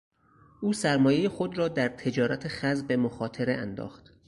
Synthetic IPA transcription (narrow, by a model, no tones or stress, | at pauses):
ʔuːsæɾmɒːjejexo̞d̪ɾɒːd̪æɾt̪ʰe̞d͡ʒɒːɾæt̪ʰe̞xæzbe̞moxɒːt̪ʰeɾeʔænd̪ɒ̰ːxt̪